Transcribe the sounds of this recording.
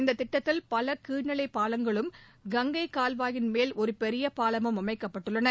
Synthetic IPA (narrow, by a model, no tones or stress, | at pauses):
ɪnd̪ɐt̪ːɪʈːɐt̪ːɪlpɐlɐkiːɳɐɭɐɪpːaːlɐŋɡɐɭɯmɡɐŋɡɐɪkaːlʋaːjɪnmeːlʔɔɾɯpɛɾɪjɐpaːlɐmɯmɐmɐɪkːɐpːɐʈːɯɭːɐnɐ